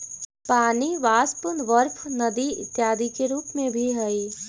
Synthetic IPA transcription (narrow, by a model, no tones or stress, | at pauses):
paːniʋaːspʊnʋəɾpʰnɐd̪iɪ̰t̪jaːd̪ikeɾuːpmẽbʱiɦɛi